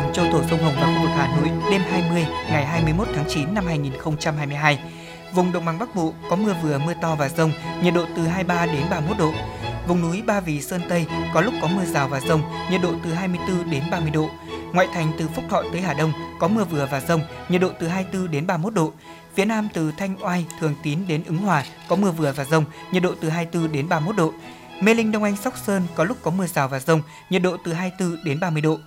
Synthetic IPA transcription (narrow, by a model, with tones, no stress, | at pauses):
mt͡ɕə˧t̪o˧˩zə˧wŋ͡mɦə˨˩wŋ͡mɓa˦˥k̚ɓo̰˨˩k̚haː˨˩no̰˧˨jɗe˧mɦaː˧jmɨ˧əjŋa˨˩jɦaː˧jmɨ˧əjmo˦˥t̚t̪ʰːŋt͡ɕi˨˦nːa˧mhaː˧jŋi˨˩nxə˧wŋ͡mt͡ɕa˧mhaː˧jmɨ˧əjɦaː˧j | vʊ˨˩ŋ͡mɗə̰˨˧˨ŋ͡mɓa̰˨˧˩ŋɓa˦˥k̚ɓo̰˧˨kɔ˨˦mɨ˧əvɨ˨˩əmɨ˧ət̪ɔ˧vaː˨˩zə˧wŋ͡mɲə˨˩t̚ɗo̰˧˨t̪ɨ˨˩ɦaː˧jɓaː˧ɗe˨˦nɓaː˧mo˦˥t̚ɗo̰˧˨vʊ˨˩ŋ͡mnu˨˦jɓaː˧vi˨˩swə˧nt̪ə˧jkɔ˨˦lʊ˦˥k͡p̚kɔ˨˦mɨ˧əzaː˨˩wvaː˨˩zə˧wŋ͡mɲə˨˩t̚ɗo̰˧˨t̪ɨ˨˩ɦaː˧jmɨ˧əjt̪ɨ˧ɗe˨˦nɓaː˧mɨ˧əjɗo̰˧˨ | ŋwa̰ː˧˨jt̪ʰa˨˩jŋ̟t̪ɨ˨˩fʊ˦˥k͡p̚t̪ʰɔ̰˧˨t̪əː˨˦jhaː˨˩ɗə˧wŋ͡mkɔ˨˦mɨ˧əvɨ˨˩əvaː˨˩zə˧wŋ͡mɲə˨˩t̚ɗo̰˧˨t̪ɨ˨˩ɦaː˧jt̪ɨ˧ɗe˨˦nɓaː˧mo˦˥t̚ɗo̰˧˨ | fi˨˦ənaː˧mt̪ɨ˨˩t̪ʰa˧jŋ̟ʔwaː˧jt̪ʰɨ˨˩əŋt̪i˨˦nɗe˨˦nʔɨ˨˦ŋɦwaː˨˩kɔ˨˦mɨ˧əvɨ˨˩əvaː˨˩zə˧wŋ͡mɲə˨˩t̚ɗo̰˧˨t̪ɨ˨˩ɦaː˧jt̪ɨ˧ɗe˨˦nɓaː˧mo˦˥t̚ɗo̰˧˨ | me˧lï˧ŋ̟ɗə˧wŋ͡mʔa˧jŋsa˦˥k͡p̚səː˧nkɔ˨˦lʊ˦˥k͡p̚kɔ˨˦mɨ˧əzaː˨˩wvaː˨˩zə˧wŋ͡m | ɲə˨˩t̚ɗo̰˧˨t̪ɨ˨˩ɦaː˧jt̪ɨ˧ɗe˨˦nɓaː˧mɨ˧əjɗo̰˧˨